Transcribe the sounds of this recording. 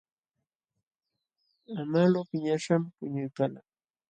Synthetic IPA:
amalopɪɲaʃampʊɲʊjkala

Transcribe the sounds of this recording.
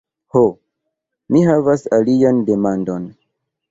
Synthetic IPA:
ho | mihavasaliande̞mando̞n

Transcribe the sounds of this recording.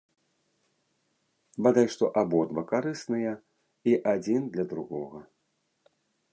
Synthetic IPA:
bad̪ajʂt̪ɔʔabɔd̪bɐkaɾɨsnɨjɐ | iʔad͡zʲind̪lʲɐd̪ɾuɣɔɣɐ

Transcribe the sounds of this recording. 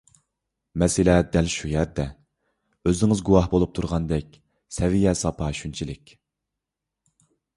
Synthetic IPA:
mɛsɪlɛd̪ælʃujæɾd̪ɛ | øzɪŋɪzɡuwɑhbolˠup̚t̪ʰuɾʁɑnd̪ɛk̚ʲ | sɛvijɛsɑpʰɑʃynt͡ʃʰilɪkʲ

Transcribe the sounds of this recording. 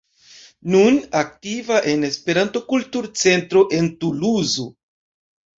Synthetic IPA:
nunak̚tivaʔe̞ne̞spe̞ɾanto̞kultuɾt͡se̞ntɾo̞ʔe̞ntuluzo

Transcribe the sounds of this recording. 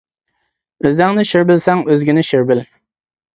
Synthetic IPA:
øzæŋnɪʃyɾbɪlsɛŋøzɡʲɪnɪʃyɾbɪl

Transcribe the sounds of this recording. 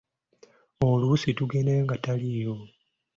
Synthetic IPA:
olusituɡe̞neːŋɡataliːɾo

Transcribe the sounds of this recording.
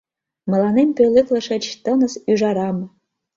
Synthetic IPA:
mɤ̆lɑnemʲpʲølʲɘklɤ̆ʃĕt͡ɕt̪ɤnɤ̆syʒɑɾɑmɤ̆

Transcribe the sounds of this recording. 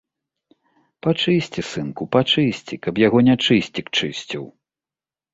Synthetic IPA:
pat͡ʂɨsʲt͡sʲisɨnkupat͡ʂɨsʲt͡sʲikɐpjaɣɔnʲat͡ʂɨsʲt͡sʲikt͡ʂɨsʲt͡sʲiw

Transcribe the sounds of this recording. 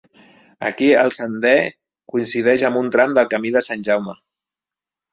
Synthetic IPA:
ə̰kiəlˠsənd̪ɛ | kuinsið̞ɛʒəmbunt̪ɾamd̪əlˠkəmiðəsanʲʒawmə

